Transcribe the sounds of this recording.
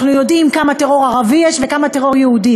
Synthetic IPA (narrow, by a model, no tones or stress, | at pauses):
χnujo̞d̪imkamateʁo̞ʁaʁavijɛʃvekamat̪eʁo̞ʁjehud̪i